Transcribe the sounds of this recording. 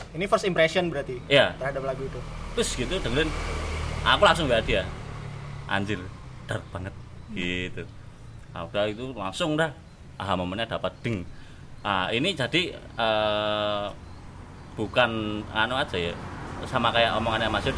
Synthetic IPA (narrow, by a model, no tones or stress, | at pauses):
inifərst̪impɾɛsiɔnbəɾat̪ijat̪ərhadap̚laɡuit̪ut̪ʊsɡ̥it̪ud̥əŋlɪn | ʔakulaŋs̬ʊŋwiadija | ʔa̰ɲd͡ʒɪld̥ark̚b̥aŋət̪̚ɡ̥it̪u | a̰d̥ait̪ulaŋsʊŋdah | ʔaɦamomənɲad̥apat̪̚d̪̥əŋ | ʔainid͡ʒadi | ə | b̥ukananuḁd͡ʒajasamakajaʔomɔŋanjaŋmad͡ʒɪ